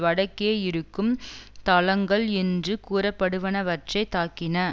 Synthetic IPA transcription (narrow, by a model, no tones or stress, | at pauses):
ʋɐɽɐkːeːɪɾɯkːɯmt̪ɐlɐŋɡɐɭɛndrɯkuːɾɐpːɐɽɯʋɐnɐʋɐʈrɐɪt̪ːaːkːɪnɐ